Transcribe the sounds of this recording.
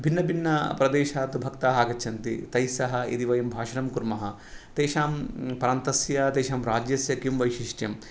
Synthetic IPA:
bʱinːɐbʱinːɐpɾɐd̪eːʃaːt̪ubʱɐkt̪aːɦaːɡɐt͡ʃʰɐnt̪ḭt̪ɐjsɐɦɐ̆ḭd̪iʋɐjɐmbʱaːʃɐɾɐmkuɾmɐɦɐ̆ | t̪eːʃaːmpɐɾaːnt̪ɐsjɐt̪eːʃaːmɾaːd͡ʒjɐsjɐkjumʋɐjʃiʂʈjɐm

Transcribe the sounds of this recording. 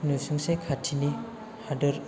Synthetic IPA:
nusuŋsekʰatʰini | hadɯɾ

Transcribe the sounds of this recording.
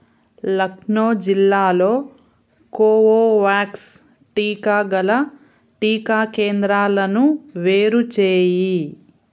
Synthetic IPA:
lɐknoːd͡ʒilːaːlo̞ː | koːoːʋaːks | ʈiːkaːɡɐlɐ | ʈiːkaːkeːnd̪ɾaːlɐnuʋeːɾut͡ʃeːji

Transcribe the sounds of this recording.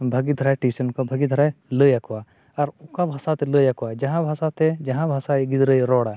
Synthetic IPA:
bʱɐɡid̪ʱəɾaʈisənkobʱɐɡid̪ʱəɾajləjakuwa | ɐɾʊkabʱɐsat̪eləjɐkuwad͡ʒɐɦãbʱɐsat̪ed͡ʒɐɦãbʱɐsaiɡɪd̪ɾəjɾɔːɽa

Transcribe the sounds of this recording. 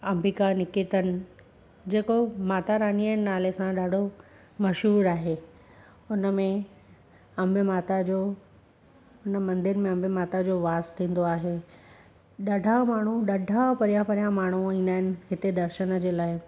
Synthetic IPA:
ɐmbikanɪkit̪ənɪ̆ | d͡ʑeːkomaːt̪aɾaːniənɪnaːlesãɗaːɖʱo | mɐʃɦuːɾaːɦeː | ʊnəmẽ | ɐ̃mbɪmaːt̪ad͡ʑoː | ʊnəmɐ̃nd̪ɪɾmẽɐ̃mbʱɪmaːt̪ad͡ʑoːʋaːst̪ʰĩːn̆d̪oaːɦeː | ɗɐɖʱamaːɳ̤uɗɐɖʱapɐɾijãpɐɾijãmaːɳ̤̃uĩːnd̪aːɦɪnɪ̆ɦɪt̪ed̪ɐɾʃənə̆d͡ʑeːlaːɪ

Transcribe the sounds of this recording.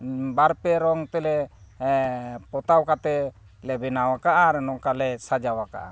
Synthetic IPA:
baɾpɛɾɔŋt̪ɛlɛ | pɔt̪awkat̪ɛ | lɛbɛnawakaʔaɾɛnɔkalɛsad͡ʒawaka̰ʔa̰

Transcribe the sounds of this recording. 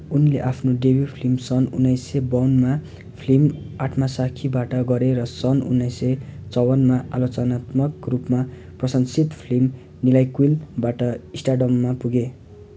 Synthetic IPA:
unleʔapʰnoɖebipʰlimsʌnṵnːʌjsebʌwnma | pʰlim | aʈʰmasakʰibaʈʌɡʌɾeɾʌsʌnṵnːʌjset͡sʌwʌnmaʔa̰lot͡sʌnat̪mʌkrupma | prʌsʌnsit̪pʰlim | nilajkwilbaʈʌisʈaɖʌmːapuɡe

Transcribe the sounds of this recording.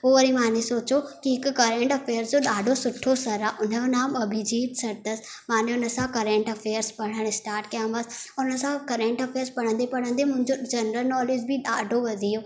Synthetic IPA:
ɦoːʋɐɾĩmaːnesoːt͡ɕokiɦɪkːɐɾẽːɳʈɐfʰeːəɾzd͡ʑoɗaːɖʱosʊʈʰːosɐɾaːʔʊn̤əjonaːmɐbʱid͡ʑiːt̪sɐɾt̪əs | maːneʊnəsãkɐɾẽːɳʈɐfʰeːəɾspɐɽ̃əɽ̃ɪsʈaːɾʈkjaməsʊnəsãkɐɾẽːɳʈɐfʰeːɾzpɐɽ̤̃ə̃nd̪epɐɽ̃ə̃nd̪emʊ̃ɪ̃ɲd͡ʒod͡ʒɐnɾəlnɔːleːd͡ʑbʱiɗaːɖʱoʋɐd̪ʱijoː

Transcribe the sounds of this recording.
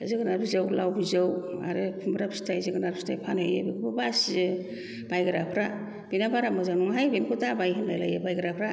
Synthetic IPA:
zɯɡɯnaɾbizɯwlawbizɯwa̰ɾɯpʰumbɾapʰstʰajzɯɡɯnaɾi̥stʰajpʰanhajḛbiɡɯbɯbaszɯ | b̥ajɡɯɾapʰɾa | b̥inabaɾamazanuŋɦajbenkʰɯtabajɦɯnlajlajɯbajɡɯɾapʰɾa

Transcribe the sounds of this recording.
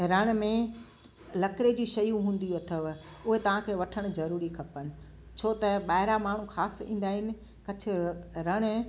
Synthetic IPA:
ɾɐɽ̃̆mẽ | lɐkɾed͡ʑiːʃɐjũɦũːn̆d̪ijuɐt̪ʰəʋ | ʊɦet̪ɐʋ̤ãkʰeːʋɐʈʰəɽ̃ʊ̆zɐɾuːɾikʰɐpənɪ̆ | t͡ɕʰoːt̪ɐɓaːɦɪɾamaːɳ̤ũxaːsḭ̃ːn̆d̪aːɦɪnɪ̆ | kɐt͡ɕʰɪ̆ɾɐɽ̃

